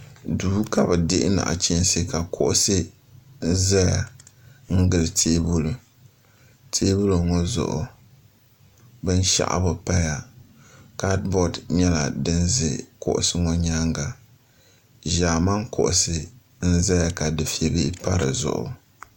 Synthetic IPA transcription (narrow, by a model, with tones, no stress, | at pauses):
duː˨˦ka˦bɨ˨dɪ˦ʔɪ̰˦na̰˨ʔa̰˨t͡ʃi˦n˦sɨ˦ka˨kʰʊ˦ʔʊ˦sɨ˦ | n̩˦za˦ja˨ŋ̩˦ɡɨ˨lɨ˨tʰeː˦bu˦lɨ˨ | tʰeː˦bu˦lo˨ŋɔ˦zʊ̰˨ʔʊ̰˨ | bɨ˦n˦ʃa̰˦˨ʔa̰˨bʊ˨pa˦ja˨ | ka˦dbɔ˦dɲɛ˦la̰˨dɨ˦nzɨ˨kʊ̰˦˨ʔʊ̰˨sɨ˦ŋɔ˦ɲa˦ŋɡa˨ | ʒaː˨ma˦ŋkʰʊ˨ʔʊ˨sɨ˦ | n̩˦za˦ja˨ka˨dɨ˨fi˦e˦bi˦pa˦ɾɨ̰˨zʊ̰˨ʔʊ̰˨